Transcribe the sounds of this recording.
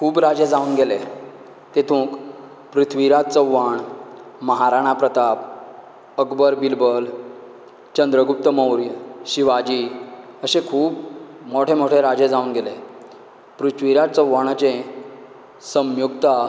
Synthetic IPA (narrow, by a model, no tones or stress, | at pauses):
kʰuːbɾad͡ʑẽd͡zauːnɡele | t̪et̪ʰũːk | pɾut̪ʰʋiɾat̪̚t͡səwʋːaɳməɦaɾaɽ̃apɾət̪ap | əkbəɾbilbəl | t͡ɕənd̪ɾəɡup̚t̪əməwɾjəɕiʋad͡ʑiəɕẽkʰuːbmoʈʰemoʈʰeɾad͡ʑed͡zaunɡele | pɾut̪ʰʋiɾat̪t͡səwːaɽ̃at͡ɕẽ | səmjukt̪a